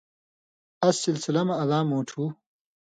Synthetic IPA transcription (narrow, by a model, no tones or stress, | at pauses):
ɐsːilsilɐmɐːlaːmoːʈʰu